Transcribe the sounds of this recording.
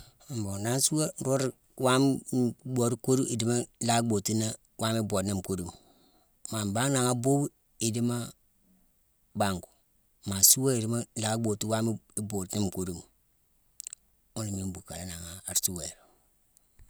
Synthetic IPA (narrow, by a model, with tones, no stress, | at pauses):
mbo˨na˦n˦su˦wa˦ɾo˦ɾi˦ | wa˦m˦bo˨ɾi˦ko˦ɾi˦i˨di˦ma˦la˦ɡ͡bo˨ti˦na˦ | wa˦mi˦bo˨ni˦m˨ko˦ɾi˨mu˨ | ma˨m˨ba˦ŋ˦na˨ŋa˦bo˦bu˦ | i˨di˦ma˦ | ba˨ŋɡu˨ | ma˨su˦wa˦i˨di˦ma˦la˦ɡ͡bo˨ti˦wa˦mi˦i˦bo˨tni˦m˨ko˦ɾi˦mu˨ | u˦ni˨mi˦m˦bu˨ka˨la˦na˨ŋa˨a˨ɾsu˦we˨ɾ